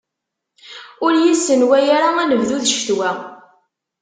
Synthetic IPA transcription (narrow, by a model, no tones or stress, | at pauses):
ʊɾjisːənwæjaɾaænəvðuðʃt̪wæ